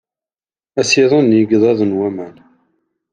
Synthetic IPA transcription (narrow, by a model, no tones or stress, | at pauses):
æsiðˤənjiɡðˤɑðˤənwæmæn